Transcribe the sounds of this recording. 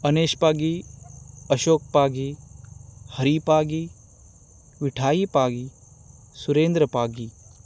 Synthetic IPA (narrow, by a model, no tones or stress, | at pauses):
ɐneːʃpaːɡi | ɐʃoːk̚paːɡiː | hɐɾipaːɡi | ʋɪʈʰaːjiːpaːɡiː | suɾeːnd̪ɾəpaːɡiː